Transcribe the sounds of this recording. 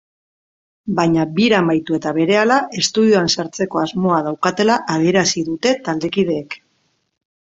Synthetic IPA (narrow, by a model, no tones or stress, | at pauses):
bajɲabiɾamajt̪ue̞t̪aβe̞ɾe̞alaʔe̞st̪uðioansaɾt͡se̞ko̞azmo̞að̞awkat̪e̞laʔað̞ie̞ɾasiðut̪e̞t̪ald̪e̞kið̞e̞ːk